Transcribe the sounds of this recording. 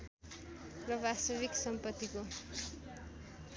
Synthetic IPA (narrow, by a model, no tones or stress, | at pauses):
rʌbast̪ʌβiksʌmpʌt̪ːiko